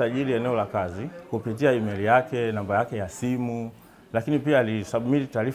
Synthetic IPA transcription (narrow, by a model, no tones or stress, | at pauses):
aʄiliɛnɛɔlakazikupit̬iaimɛlijakɛnambajakɛjasimu | lakinipiaːlisaɓmilitaːɾi